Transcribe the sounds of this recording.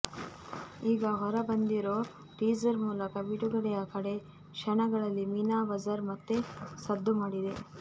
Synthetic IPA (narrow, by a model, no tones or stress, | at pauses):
iːɡɐɦɔɾɐbɐnd̪iɾoː | ʈiːd͡ʒɐɾmuːlɐkɐbiʈuɡɐɽɛjɐkɐɽe̞ | kʂɐɳɐɡɐɭɐlːimiːnaːʋɐd͡ʒɐɾmɐt̪ːesɐd̪ʱːumaːɽid̪e̞